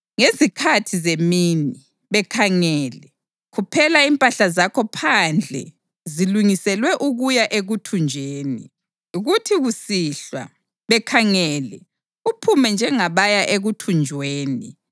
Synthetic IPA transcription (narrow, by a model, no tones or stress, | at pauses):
ŋezikʰatʰizemini | βɛkʰaŋɛːlɛ | ɣupʰɛlaimpʼaɬazakʰɔpʰand͡ɮʱɛ̰ | ziluŋisɛlwɛʔuɣujaʔeɣutʰund͡ʒʱeːnḭ | uɣutʰiɣusiɬwa̰ | βɛkʰaŋɛlɛ | upʰumɛnd͡ʒʱɛŋaβajaʔeɣutʰund͡ʒʱweːni